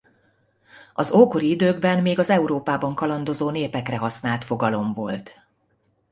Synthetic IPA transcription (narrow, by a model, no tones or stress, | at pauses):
ɒzoːko̞ɾiid̪øːɡbɛnmeːɡɒzɛuɾoːpaːbɒŋkɒlɒnd̪o̞zoːneːpɛkrɛɦɒsnaːlt̪fo̞ɡɒlo̞mvo̞̰lt̪